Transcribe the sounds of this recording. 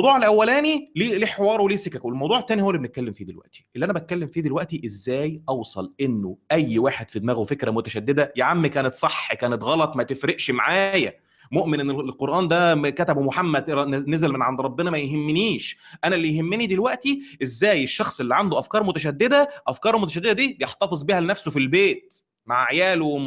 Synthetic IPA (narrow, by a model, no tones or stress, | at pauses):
wd̪ˤuːʕelʔæwːælæːniliːliħewɑːɾˤweliːsekækwelmɑwd̪ˤuːʕet̪ːæːnihowælːibenet̪̚kælːemfiːd̪ilwæ̰ʔt̪i̥ʔelːiʔænæbæt̪̚kælːemfiːd̪ilwæʔt̪iʔezːæːjʔɑwsˤɑlʔenːoʔæjːwaːħed̪̥fid̪mæːɣwefekɾæmot̪æʃæd̪ːed̪æjaʕamːikæːnet̪sˤɑħːkæːnet̪ɣɑlɑt̪ˤmæt̪efɾeʔʃmaʕaːjæ | moʔmenʔenːelqoɾˤʔɑːnd̪ækæt̪æbwemoħamːæd̪nezælmenʕand̪ɾˤɑbːenɑmæjɦemːeniːʃʔænælːijɦemːenid̪ilwæʔt̪iʔezːæːjeʃːɑxsˤʔelːiʕand̪oʔæfkɑːɾˤmot̪æʃ̬æd̪ːed̪æʔæfkɑːɾˤlmot̪æʃ̬æd̪ːed̪æd̪iːbjeħt̪ɑfezˤbihælnæfsofilbeːt̪̚ | maʕʕjæːlo